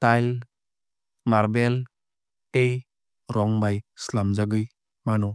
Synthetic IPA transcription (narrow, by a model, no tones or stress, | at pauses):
tajl | maɾbel | ej | ɾɔŋbajslamzaɡɯj | manɔ